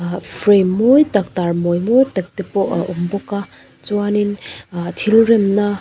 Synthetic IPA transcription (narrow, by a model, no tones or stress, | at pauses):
pʰɾemːojtak̚taɾmojmojtɐk̚tepɔumbɔka | t͡ʃuwanintʰilɾemna